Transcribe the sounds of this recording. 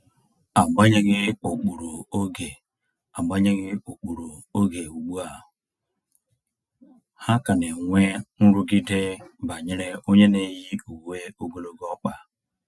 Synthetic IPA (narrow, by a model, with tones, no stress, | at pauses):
a˨ɡ͡ba˦ɲe˦ɡɪ˦o˨k͡pu˨ɾo˨o˦ɡe˨ | a˨ba˦ɲe˦ɡi˦o˨k͡pu˨ɾo˨o˦ɡe˨u˨ɡ͡bu˦a˨ | ha˦ka˨ne˨ŋʷe˦n̩˦ɾu˦ɡi˦de˦ba˨ɲe˦ɾe˦o˦ɲe˦ne˨ji˦u˨we˦o˦ɡo˦lo˦ɡɔ˦k͡pa˨